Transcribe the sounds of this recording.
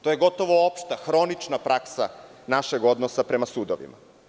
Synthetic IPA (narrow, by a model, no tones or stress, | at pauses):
t̪ojeɡo̞t̪o̞ʋoopʃt̪axɾo̞nit͡ʃnapɾaksa̰naʃeɡo̞d̪nosapɾe̞masuːd̪oʋḭma̰